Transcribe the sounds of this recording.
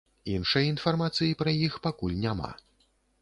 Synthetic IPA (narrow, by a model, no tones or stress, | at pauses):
inʂɐjɐinfarmat̪sɨjipɾɐjixpakulʲnʲama̰